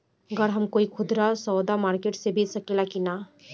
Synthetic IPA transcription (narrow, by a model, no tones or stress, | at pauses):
əɡəɾɦəmkoːikʰʊd̪ɾasɔːd̪amaːɾkeːʈsebʱet͡ʃsəkelakina